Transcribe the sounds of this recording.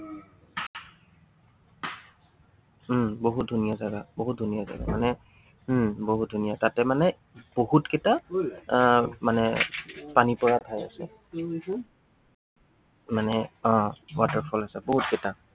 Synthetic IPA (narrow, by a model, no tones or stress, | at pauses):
boɦut̚dʱunijazaɡaboɦut̚dʱunijaza̰ɡa̰manɛ | boɦut̚dʱunijatatɛmanɛ | b̥oɦutketa | manɛpanipɔɹatʰaja̰sɛ̰ | manɛɔ̃watəɹpʰɔlasɛboɦutketa